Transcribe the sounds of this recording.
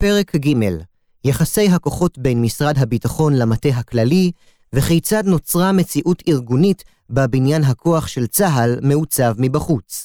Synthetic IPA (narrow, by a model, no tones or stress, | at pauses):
pe̞ʁe̞kɡime̞l | jaχase̞jɦakoχo̞tbejnmisʁadɦabitaχo̞nlamateɦaklali | veχejt͡sad̪no̞t͡sʁame̞t͡siʔutiʁɡunit | babinjanɦakʰo̞aχʃe̞lt͡saɦalme̞ut͡savmibaχut͡s